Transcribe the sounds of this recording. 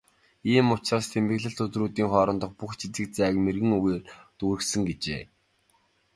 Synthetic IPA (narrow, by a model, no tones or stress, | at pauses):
iːmʊt͡ɕraːst̪ʰempɘ̆ɣɮɘ̆ɬt̪ɵt̪ruːt̪iːŋχɔːɾɞ̆nt̪ɞ̆χpuxt͡ɕʰit͡s̪ɘ̆k̚t͡sæːkmerɣɘ̆ŋuɣeːrt̪uɾɘ̆ksɘ̆ŋɡet͡ɕḛː